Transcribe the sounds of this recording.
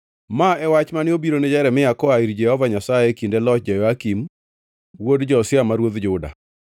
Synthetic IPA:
maɛwat͡ʃmanɪobiɾonɛd͡ʒɛɾɛmɪjakɔaiɾd͡ʒɛhɔvaɲasaekindelɔt͡ʃd͡ʒajɔakim | wodd͡ʒɔsɪamaɾwod̪d͡ʒʊda̰

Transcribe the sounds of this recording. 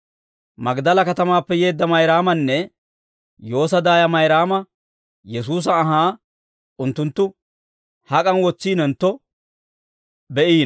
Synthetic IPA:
mɐɡd̪ɐlɐkɐt̪ɐmaːpːɛjeːd̪ːɐmɐjɾaːmɐnːɛ | jo̞ːs̬ɐd̪aːjɐmɐjɾaːmɐ | jɛsuːs̬ɐːɦaː | ʊnt̪ːʊnt̪ːʊ | hɐkʼɐnwɔt͡sːiːnɛnt̪ːɔ | bɛʔiːn

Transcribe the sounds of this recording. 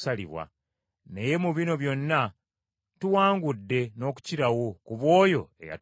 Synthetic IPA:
salḭβwa̰ | neje̞muβino̞βjo̞nːa | tuwaːŋɡudːe̞no̞ːku̥ciɾawokuβwo̞ːjo̞e̞̰ja̰

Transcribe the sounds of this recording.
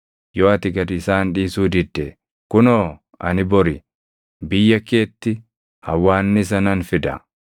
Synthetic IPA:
joːɐt̪ɪɡɐd̪ɪsaːnᶑiːsuːd̪ɪd̪ːe | kʊnoː | ɐ̰nɪbɔɾɪ | bɪjːɐke̞ːt̪ːɪ | hɐwːaːnːɪs̬ɐnɐnfɪd̪ɐ̰

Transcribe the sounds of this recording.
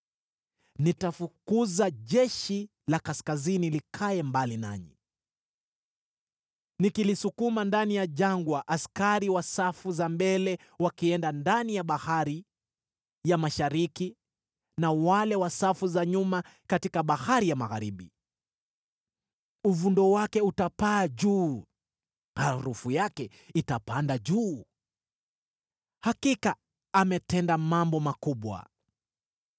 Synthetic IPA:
nitafukuzaʄɛʃi | lakaskazinilikʰaɛmbalina̰ɲḭ | nikilisukumandanijaʄaŋɡwaʔaskaɾiwasafuzambɛlɛ | wakiɛndandanijaɓahaɾi | jamaʃaɾiki | nawalɛwasafuzaɲumakatikaɓahaɾijamaɣa̰ɾiɓḭ | uvundɔwakɛutapaːʄuː | haɾufujakɛ | itapandaʄuː | hakika | amɛtɛndamambɔmakuɓwa̰

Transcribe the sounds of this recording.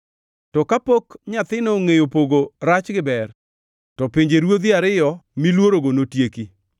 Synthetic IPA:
tɔkapokɲat̪ɪnoŋejopoɡoɾat͡ʃɡɪbɛr | tɔpɪɲd͡ʒeɾwod̪iaɾɪjɔmilwoɾoɡonotjeki

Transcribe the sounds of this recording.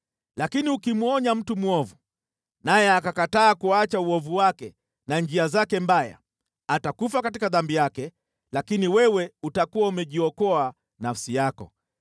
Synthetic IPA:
lakiniukimuɔɲam̩tumuɔvu | najɛakakataːkuat͡ʃauɔvuwakɛ | nand͡ʒiazakɛmbaja̰ | atakufakatikaðambijakɛ | lakiniwɛwɛutakuwaumɛʄiɔkɔa | nafsijakɔ̰

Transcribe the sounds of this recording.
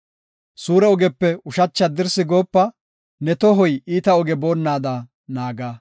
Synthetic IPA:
suːɾɛɔɡɛpːɛʊʃɐt͡ʃːɐd̪ɪɾsɪɡo̞ːpːɐ | nɛt̪ɔɦɔjiːt̪ɐɔɡɛbo̞ːnːaːd̪ɐ | naːɡaː

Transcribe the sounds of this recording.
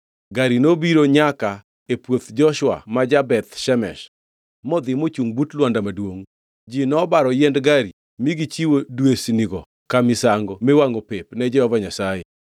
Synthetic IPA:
ɡaɾinobiɾoɲaka | epwot̪d͡ʒɔʃwa̰mad͡ʒabɛt̪ʃɛmɛ̰ʃ | mɔd̪ɪmot͡ʃuŋbutlwandamadwoŋ | d͡ʒinɔbaɾɔjɛndɡaɾi | miɡit͡ʃiwodwesniɡɔ | kamɪsaŋɡɔmewaŋopepnɛd͡ʒɛhɔvaɲasajɛ

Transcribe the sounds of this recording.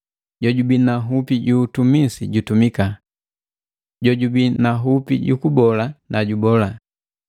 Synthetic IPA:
ɟɔɟubinaɦupiɟuːtumisiɟutumika | ɟɔɟubinaɦupḭɟukubɔlanʔaɟubɔla

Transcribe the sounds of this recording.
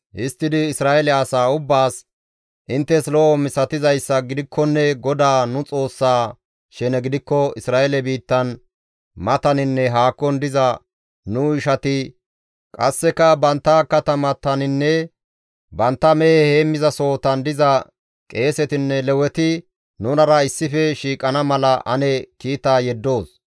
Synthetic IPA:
ʔɪst̪ːɪd̪ɪːsɾaːʔɛlɛɐsaːʊbːaːs | ʔɪnt̪ːɛslɔʔɔmɪsɐt̪ɪzɐjsːɐɡɪd̪ɪkːɔnːɛɡɔd̪aːnʊt͡sʼo̞ːsːaː | ʃɛnɛɡɪd̪ɪkːɔɪsɾaːɛlɛbiːt̪ːɐn | mɐt̪ɐnɪnːɛɦaːkːɔnd̪ɪzɐ | nʊɪʃɐt̪ɪ | kʼɐ̰sːɛkɐbɐnt̪ːɐkɐt̪ɐmɐt̪ɐnɪnːɛ | bɐnt̪ːɐmɛhheːmːɪzɐso̞ːt̪ɐnd̪ɪzɐ | kʼe̞ːsɛt̪ɪnːɛlɛwɛt̪ɪ | nʊnɐɾɐɪsːɪfɛʃiːkʼɐnɐmɐlɐʔɐ̰nɛkiːt̪aːjɛd̪ːo̞ːs

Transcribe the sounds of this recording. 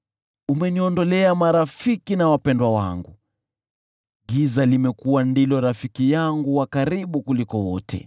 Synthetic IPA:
umɛniɔndɔlɛamaɾafikinawapɛndwawa̰ŋɡu | ɡizalimɛkuwandilɔɾafikijaŋɡuwakaɾiɓukulikɔwɔ̰tʰɛ̰

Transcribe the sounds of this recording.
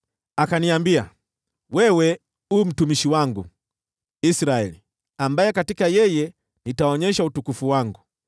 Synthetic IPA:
akaniambia̰ | wɛwɛ | um̩tumiʃiwaŋɡṵ | isɾaɛli | ambajɛkatikajɛjɛ | nitaɔɲɛʃautukufuwaŋɡu

